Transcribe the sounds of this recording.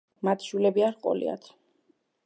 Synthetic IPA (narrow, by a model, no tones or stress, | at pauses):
mat̪ʰʃwilɛbiaɾqʼɔ̰lḭa̰t̪ʰ